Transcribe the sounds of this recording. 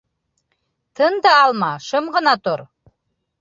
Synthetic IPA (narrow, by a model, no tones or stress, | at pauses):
t̪ʰɤnd̪ɤɑlˠmɑʃɤmʁɤ̆nɑt̪oɾ